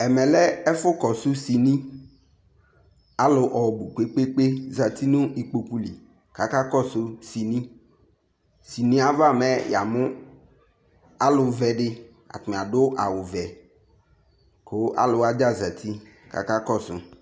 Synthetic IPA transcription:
ɛ˨mɛ̃˨lɛ˦ɛ˦fʊ˦kɔ˨sʊ˦si˨nĩ˦ | a˦lʊ˨ʔɔ˨bu˨k͡pe˦k͡pe˦k͡pe˦za˨t̪i˦nʊ̃˦ʔi˨k͡po˨ku˦li˨ | ka˨ka˦kɔ˦˨sʊ˦si˨nĩ˦ | si˨nĩ˦a˨va˦˨mɛ˦ja̰˨mʊ˦ | a˦lʊ˨vɛ˨ɖɪ˦ | a̰˨t̪ʊ˨m˨a˨ɖʊ˦ʔa˨wʊ˨vɛ˨ | ko˨˦ʔa̰˦lʊ˨˦a˦d͡ʒa˦za˨t̪ʰi˦ | ka̰˨ka˦kɔ˦˨sʊ̰˨

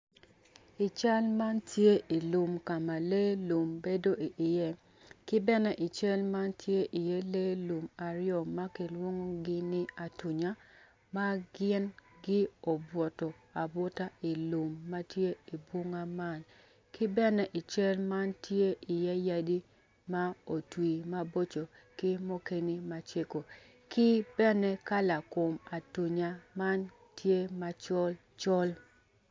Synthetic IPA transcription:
ɪ˨t͡ʃa˦lma˦ntje˦ʔi˨lu˨mka˨ma˨le˦lu˨mbe˦do˦ʔi˨ʔɪ˨jɛ˦ | kɪ˦bɛ˦nɛ˦ʔɪ˨t͡ʃɛ˦lma˦ntʰje˦ʔɪ˨jɛ˦le˦lu˨ma˨ɾjɔ˨mːa˦kɪ˨lwo˦ŋo˦ɡɪ˦nɪ˦a˨tu˨ɲa˦ | ma˦ɡɪ˦nɡɪ˦o˨bwɔ˨tɔ˨ | a˨bo˦ta˦i˨lu˨mːa˦tje˦i˨bo˦ŋa˦ma˦n | kɪ˦bɛ˦nɛ˦ʔɪ˨t͡ʃɛ˦lma˦ntje˦ɪ˨ja˦ja˦di˦ | ma˦o˨twi˨ma˦bo˦t͡ʃo˨kɪ˦mo˦ke˦ni˦ma˦t͡ʃe˦ko˨ | kɪ˦bɛ˦nɛ˦ka˦la˨ko˨ma˨tu˨ɲa˦ma˦n | tje˦ma˦t͡ʃɔ˦l | t͡ʃɔ˦l

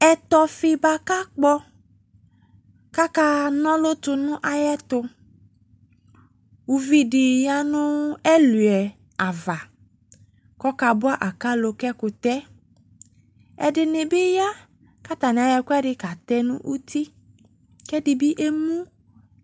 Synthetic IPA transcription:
ɛ˨t̪ɔ˨fɪ˦ba˨ka˦k͡pɔ˦ | ka˦ka˦nɔ̃˦lʊ˦t̪ʊ˧nʊ̃˦ʔa˨jɛ˦t̪ʊ˧ | u˨vi˦dɪ˨ja˦nʊ̃˦ɛ˦lu˨ɛ˨ | a˨va˨ | kɔ˦ka˨bʊ˦a˦ʔa˨ka˦lo˨kɛ˦kʊ˨t̪ɛ˦ | ɛ̰˨dɪ˨nɪ˨bɪ˦ja˦ | ka˦t̪a˨nɪ̃˨a˨jɛ˨kʊ˦ɛ˦ɖɪ˦ka˨t̪ɛ˦nʊ̰̃˦ʔu˦t̪i˦ | kɛ˦dɪ˨bi˦ʔe˦mũ˦

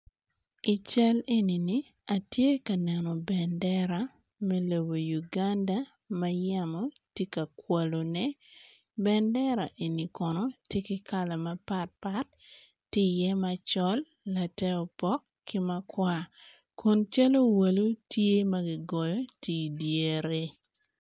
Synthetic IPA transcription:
i˨t͡ʃɛ˦le˦ni˨ni˦ | a˨tje˦kɐ˨nɛ˨nɔ˨bɛ˨ndɛ˦ɾa˨ | mɛ˦lo˨bo˨ju˨ɡa˦nda˦ | mɐ˦ja˦mɔ˨ | tje˦ka˨kwa˨lo˨nɛ˦ | bɛ˦ndɛ˦ɾa̰˨ʔe˨ni˨kɔ˨nɔ˦tje˦kɪ˦kʰa˨la˨mɐ˦pa˦t̚pa˦tː | ɪ˦jɛ˦ma˨t͡ʃɔ˦lː | a˨tɛ˦ɔ˨pɔ˦k | kːɪ˦ma˦kwa˦ | ko˨nt͡ʃa˦lo˦wa˨lu˦tje˦mɐ˦ɡi˦ɡɔ˨jɔ˦ti˦dje˨ɾe˦

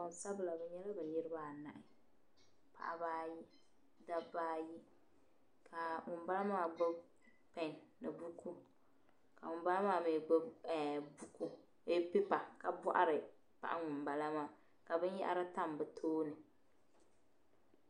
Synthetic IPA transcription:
ɔ˨n˨sa˦bɨ˨la˨bɛ˨˦ɲɛ˦la˦bɛ˨ɲɪ˦ɾɨ˦ba˦˨na˨ʔɪ˦ | pʰa̰˨ʔa˦baː˦ji˦ | da˦baː˦ji˦ | kʰa˨ŋʊ˨m˦ba˦la˦maː˦˨bɨ˦ | pɛ˨nnɨ˨bu˦ku˦ | ka˨ŋʊ˨mba˦la˦maː˦˨mɛ˨ɡ͡bɨ˦˨bu˦ku˦ | e˦pɪ˦pa˨ka˨bɔ˦ʔa̰˦ɾɨ˨ | pa̰˨ʔa˦ŋʊ˨m˨ba˨la˦maː˦˨ | ka˨bɨ˦ɲ˦jɛ̰˦ʔa̰˦ɾɨ˦ta˦˨mbɨ˨tʰoː˦nɨ˨

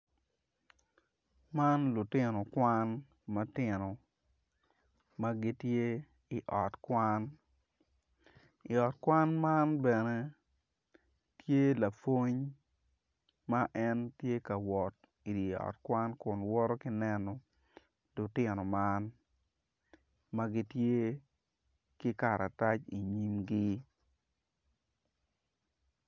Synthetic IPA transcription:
ma˦nlʊ˨tɪ˦no˨kwa˦n | mɐ˦tɪ˨no˨ | ma˦ɡɪ˦tje˦ | i˨ʔɔ˨tkwa˦n | i˨ɔ˨t̚kwa˦nma˦nbɛ˨ne˦ | tje˦la˨fo˦ɲ | ma˦ʔɛ˦ntje˦ka˨wɔ˨t̚ | i˨di˨ɔ̰˨tkwa˦nkʊ˨nwɔ˦ɾɔ˦kɪ˦nɛ˦nɔ˨ | dʊ˨tɪ˨nɔ˨ma˦n | mɐ˦ɡi˦tje˦ | kɪ˦ka˨ɾa˨ta˦t͡ʃḭ˨ɲi˦mɡi˦

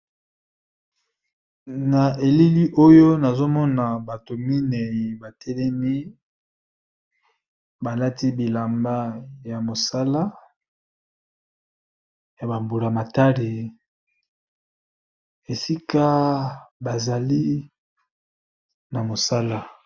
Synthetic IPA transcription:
na˨e˨li˦li˦ʔo˦jo˦na˨zo˦mɔ˦na˨ba˨to˨mi˦nɛ˨ji˨ba˨tɛ˦lɛ˦mi˦ | ba˨la˦ti˦bi˨la˨mba˦ja˨mo˨sa˦la˦ | ja˨ba˨mbu˨la˨ma˨ta˦li˨ | e˨si˦ka˦ba˨za˨li˦ | na˨mo˨sa˦la˦

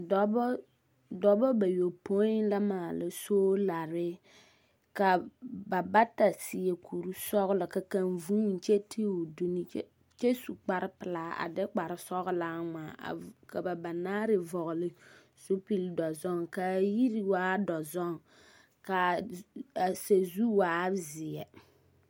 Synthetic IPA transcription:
dɔ˨b | dɔ˨bɔ˦ba˨jo˨po˦la˦maː˨la˨soː˦la˨ɾɪ˦ | ka˨ba˨ba˦ta˨si˨e˨kʰu˨ɾu˦sɔ˦ɣʊ˦lɨ˨ka˨ka˨nvu˦n̩˨t͡ʃe˦tʰi˦u˨du˦ni˦ | t͡ʃɛ˦su˨k͡pa˨ɾɪ˦pɨ˨la˨˦a̰˨dɛ˦k͡pa˨ɾɪ˨sɔ˦ɣʊ˦laː˦ŋ͡ma̰ː˨ka˨ba˨ba˨naː˦ɾɪ˦˨vɔ˨ɣʊ˨lɪ˦ | su˦pi˦ldɔ˨zɔ˦ŋka˨ji˦ɾi˦waː˦dɔ˨zɔ˦ŋ˨ | ka˨ | a˨se˨zu˦waː˨˦zɪ˨jɛ˨

